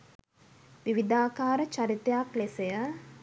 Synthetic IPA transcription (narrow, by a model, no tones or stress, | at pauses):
ʋiʋid̪aːkaːɾət͡ʃaɾit̪ejaklesejə